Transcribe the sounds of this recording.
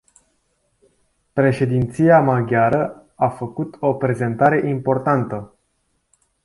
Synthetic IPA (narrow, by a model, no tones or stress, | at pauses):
pɾe̞ʃe̞d̪int̪sijamaɡʲaɾə | afəkut̪o̞pɾe̞ze̞nt̪aɾe̞ʔimpo̞rt̪ant̪ə